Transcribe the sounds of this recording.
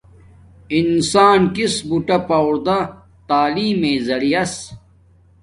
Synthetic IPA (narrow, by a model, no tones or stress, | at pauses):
insaːnkisbuʈɐpɐwɾd̪a | t̪aːliːmeːzɐɽijɐs